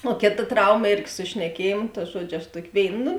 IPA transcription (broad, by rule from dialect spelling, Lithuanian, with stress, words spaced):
oː ˈkʲeːˌtɐ ˈtrɐʊmɐ ˈeːrʲɡʲɪ sʊ ʃʲnʲɛˈkʲiɛjeːmʊ tɐ ˈʒuɔd͡ʒʲʊ ɐʃ ˈtuɔkʲɪ ˈʋʲeːɪn nʊ